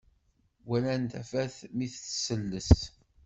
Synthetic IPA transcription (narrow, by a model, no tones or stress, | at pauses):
wælænt̪æfæθmiθt͡sːsəlːəst̪